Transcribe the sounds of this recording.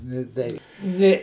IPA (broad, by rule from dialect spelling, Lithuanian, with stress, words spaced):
nʲeː ˈtʲɛɪ ˈnʲeː